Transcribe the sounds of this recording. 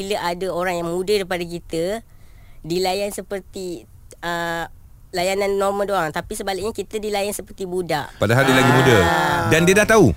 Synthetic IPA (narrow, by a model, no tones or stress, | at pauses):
iləʔadəoɾaŋjaŋmũdədəɾip̬adak̬it̪ə | dilajansəpərt̪i | ə | lajananːɔrmə̃ldoaŋt̪apisəbalɪʔ̚ɲakit̪ədilajansəpərt̪ibudaʔpadaɦaldiəlaɡimudədandiədaht̪au